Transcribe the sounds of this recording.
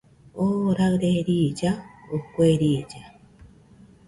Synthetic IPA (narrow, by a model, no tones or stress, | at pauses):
oɾaɾeɾid͡ʒaokʷeɾid͡ʒa